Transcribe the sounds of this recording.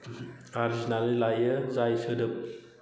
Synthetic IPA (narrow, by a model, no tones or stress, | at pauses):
aɾizinalilajəzajsɯdɯp̚